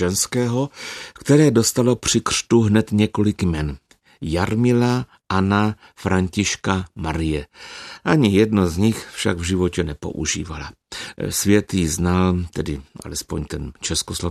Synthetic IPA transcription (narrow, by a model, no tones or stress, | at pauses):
ɛnskɛːɦo̞kt̪ɛɾɛːdost̪alo̞pr̝̥ɪkr̥t̪uɦnɛt̪ɲɛko̞lɪkmɛn | jaɾmɪla | ʔana | fɾaɲcɪʃkamaɾɪjɛʔaɲɪjɛdnozɲɪxfʃa̰ɡvʒɪvo̞cɛnɛpo̞̰ʔṵʒḭːvala̰ | svjɛt̪jiznalt̪ɛdɪʔa̰lɛspoɲt̪ɛnt͡ʃɛskoslo